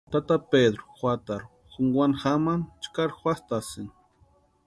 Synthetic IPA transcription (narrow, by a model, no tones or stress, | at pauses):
t̪at̪aped̪ɾoxʷwat̪aɾ | xuŋɡwʷanxamant͡ʃkaɾxʷwast̪asɪŋ